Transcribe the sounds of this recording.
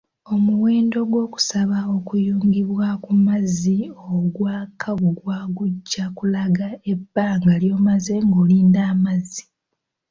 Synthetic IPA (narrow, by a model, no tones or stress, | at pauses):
o̞muweːndo̞ɡwo̞ːku̥saβao̞kujuːŋɡiβwakumazioɡwaːkʰaɡuɡwaːɡuɟːakulaɡae̞bːaːŋɡaljo̞ːmaze̞ŋɡoːliːndaːmazi